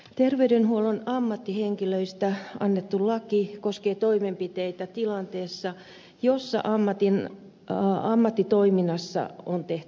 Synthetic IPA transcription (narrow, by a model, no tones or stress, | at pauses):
t̪erʋeydenhuolonɑmːɑt̪ːiheŋkiløist̪æɑ̰nːet̪ːullɑkikoskeːt̪oimempit̪eit̪æt̪ilɑnt̪eːsːɑ | josːɑ̰ʔɑmːɑt̪in | ɑmːɑt̪ːit̪oiminːɑsːɑ̰ont̪eht̪y̥